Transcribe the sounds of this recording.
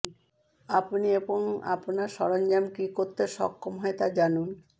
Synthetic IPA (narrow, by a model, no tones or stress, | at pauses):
apnieboŋa̰pnaɾʃɔɾond͡ʑamkikoɾt̪eʃɔ̰kʰːomɦɔet̪ad͡ʑanun